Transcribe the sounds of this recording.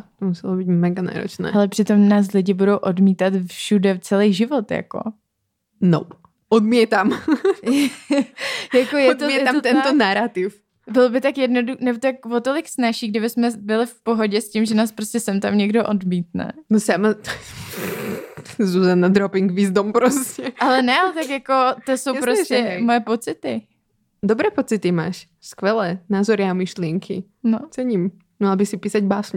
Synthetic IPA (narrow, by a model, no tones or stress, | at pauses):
t̪omusɛlobiːt̪mɛɡana̰ːɾo̰t͡ʃnɛ̰ːalɛpr̥ɪt̪o̞mnaːs̬lɪɟɪbudowʔodmiːt̪at̪fʃudɛt͡sɛlejʒɪvot̪ja̰ko̞̰ | no̰ | ʔodmiɛt̪am | jakojɛd̪oɛɛamt̪ɛnt̪onaɾat̪ɪf | bɪlobɪt̪akjɛdnodunɛbot̪ak̚vot̪olɪksnaʃiːɡdɪbɪsmɛbɪlɪfpoɦoɟɛscimʒɛnaːspɾoscɛsɛmt̪amɲɛɡdoʔodmiːt̪̚nɛ̰nosama | zuːzanad̪ɾopɪŋɡvizd̪ompɾoscɛʔalɛnɛalɛt̪akjakot̪osowpɾoscɛmojɛpot͡sɪt̪ɪ | d̪ɔbɾɛːpot͡sɪt̪ɪmaːʃ | skʋɛlɛːnaːzɔɾɪamiʃlɪɛŋkʰḭ | not͡sɛɲim | mmalbɪsɪpiːsaɟbaːsɲ